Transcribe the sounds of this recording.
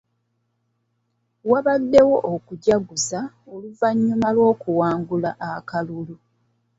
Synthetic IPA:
waβadːe̞wo̞ʔokuɟaɡuza | oluvaɲːumalwo̞ːkuwaːŋɡulaʔakalulu

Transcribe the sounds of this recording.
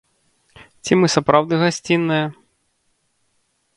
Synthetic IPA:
t͡sʲimɨsapɾawd̪ɨɣasʲt͡sʲinːɨjɐ

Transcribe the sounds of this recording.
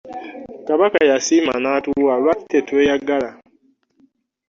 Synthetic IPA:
kaβakajasimanatuwalwaitetwejaɡala

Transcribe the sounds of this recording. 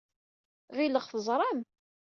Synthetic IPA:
ʁiləʁfəzˤɾˤɑm

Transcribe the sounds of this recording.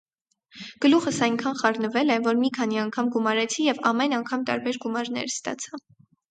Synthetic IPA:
ɡ̥əluχəsɑjŋkʰɑnχɑrnəvɛlɛvɔɾmikʰɑn̪iɑŋkʰɑmɡumɑɾɛt͡sʰijɛvɑmɛnɑŋkʰɑmt̪ɑ̰ɾbɛɾɡumɑɾnɛ̰ɾst̪ɑ̰t͡sʰɑ

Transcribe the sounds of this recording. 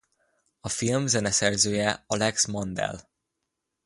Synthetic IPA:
ɒfilmzɛnɛsɛrzøːjɛɒlɛksmond̪ɛ̰l

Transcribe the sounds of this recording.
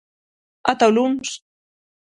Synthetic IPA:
at̪awlums

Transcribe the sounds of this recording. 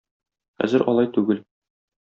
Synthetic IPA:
χæ̰zɘɾʔɒ̰lˠɑjt̪ʉɡɘl

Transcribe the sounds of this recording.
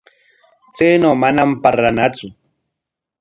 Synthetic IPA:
t͡seːnomanam̩paɾanat͡sʊ

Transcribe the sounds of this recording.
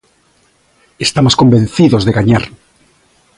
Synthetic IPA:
est̪amosko̞mbẽ̞nθiðo̞zðeɣaɲaɾ

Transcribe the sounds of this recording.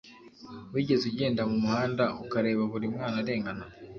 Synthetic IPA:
wiːɟe̞zuɟe̞ːndamumuhaːndaʔukaɾe̞ːβaβuɾimŋaːnaɾe̞ːŋɡana

